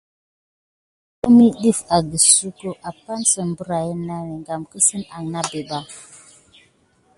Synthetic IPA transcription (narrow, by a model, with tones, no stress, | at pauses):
o˦mi˦ɗi˦˨fa˨ɡi˨su˦ko˦ʔa˨pa˦nsə˨m˨bə˦ɾa˨jə˦na˦we˨ŋɡa˨mkə˦sə˦na˨ŋna˦be˨ba˦